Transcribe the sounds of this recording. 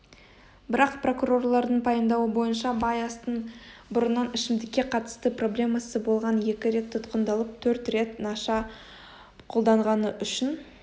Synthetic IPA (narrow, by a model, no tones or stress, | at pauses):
bɪɾɑqpro̞kuro̞rlˠɑɾd̪əɴpʰɑjəmd̪ɑwəbo̞jənʃɑbɑjɑst̪əɴbʊɾənːɑnɪʃɪmd̪ɪkʲːe̞qʰɑt̪ə̥st̪əpro̞blʲe̞mɑsəbo̞lˠʁɑnje̞kʲɪɾe̞t̪ʰːʊt̪qənd̪ɑlˠəp̚t̪ʰɵɾt̪re̞t̪nɑʃɑ | qʰo̞lˠd̪ɑɴʁɑnəʔʏʃɪn